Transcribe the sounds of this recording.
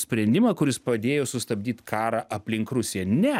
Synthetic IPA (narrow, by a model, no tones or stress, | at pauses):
sʲpʲɾʲɛnʲd̪ʲɪmɐkʊɾʲɪspɐd̪ʲeːjoːsʊst̪ɐbʲd̪ʲiːt̪ʲkʰɑːɾɑːʔɐpʲlʲɪŋkɾʊsʲeːnʲɛ